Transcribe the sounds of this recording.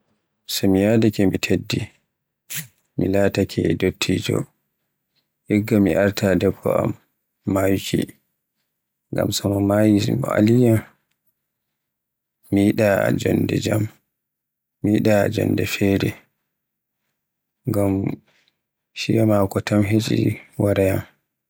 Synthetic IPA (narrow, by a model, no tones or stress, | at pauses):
samijadakɛmitʰedːi | milatakʰɛdotʰːid͡ʒɔ̰ | ʔɛɡːamiʔaɾtʰadɛbʰɔ̰a̰mː | ajut͡ʃḭ | ŋɡa̰msɔmɔmajimɔ̰a̰lijam | iiɗa̰d͡ʒɔndɛ̰d͡ʒam | iiɗad͡ʒɔ̰ndɛfɛɾɛ | ŋɡam | ʃijamakɔtamɦet͡ʃʼḭwaɾajam